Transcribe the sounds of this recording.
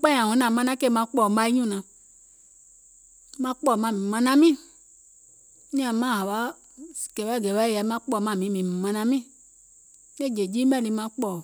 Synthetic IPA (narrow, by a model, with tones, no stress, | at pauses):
k͡pa˦ɲ˨ã˨ũ˨˦nã˨mã˧˦nã˦ke˦˨mã˧˦k͡pɔ˦˨˦a˦i˦ɲũ˦nã˨ | mã˦k͡pɔ˦˨mã˦˨mĩ˨mã˧nã˦mĩ˦ | nĩ˦a˨mã˦˨ɦa˨wa˨˦˨ | kɛ˨wɛ˦˨ɡɛ˨wɛ˦jɛ˨˦mã˦k͡pɔ˦˨mã˦˨mĩ˨˦mĩ˨m˨mã˧nã˧mĩ˦ | ne˦˨d͡ʒe˨d͡ʒi˦mɛ˦li˧˦mã˦k͡pɔ˦˨